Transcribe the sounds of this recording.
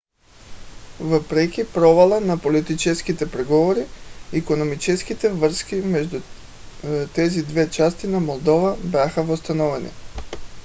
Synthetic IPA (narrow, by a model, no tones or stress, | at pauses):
vəpɾɛk̟ʲipɾɔvalˠənapolit̪it͡ʃɛskit̪ɛpɾɛɡɔvoɾiikonomit͡ʃɛsk̟it̪ɛvəɾskimɛʒd̪u | t̪ɛzid̪vɛt͡ʃast̪inamolˠd̪ɔvabʲjaxəvost̪ɐnɔvɛnḭ